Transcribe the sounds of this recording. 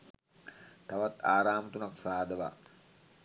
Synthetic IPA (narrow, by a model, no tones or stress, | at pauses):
t̪aʋat̪aːɾaːmət̪unaksaːd̪əʋa̰